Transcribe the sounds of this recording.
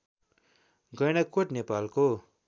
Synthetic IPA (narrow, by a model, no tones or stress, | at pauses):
ɡʌjñʌkoʈnepalko